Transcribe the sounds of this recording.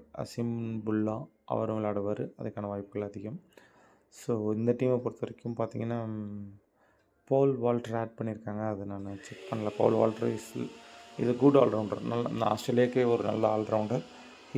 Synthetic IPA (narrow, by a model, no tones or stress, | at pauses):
ɐ̰sɪmbʊɭːãː | ʔɐ̰ʋɐɾɯŋɐɭaːɽɐʋɐɾɯɐðɐkːaːnɐʋaːjɪpːɯɣɐɭɐðɪɣɐm | soːɪnd̪ɐʈiːmepɔɾɯt̪ːɐʋɐɾɪkːʊmpaːɾt̪iːŋɡɐnːaː | poːlʋaːlʈɐɾaːɖ̚pɐɳːɪɾɯkːaːŋɡɐːðɯnaːnːɐt͡ʃɛkpɐɳːɪlɐpo̰ːlʋa̰ːlʈɾɐ̰slɪðɯɡʊɖa̰ːlɾɐʊɳɖɐɾnɐlːɐ̰nd̪ɐa̰ːsʈɾɐːlɪjaːkːeɔɾɯnɐ̰lːɐaːlɾɐʊɳɖɐɾ